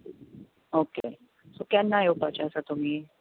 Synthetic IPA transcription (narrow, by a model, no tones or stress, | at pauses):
okḛ | sokjanːajopat͡ɕasat̪um̤iː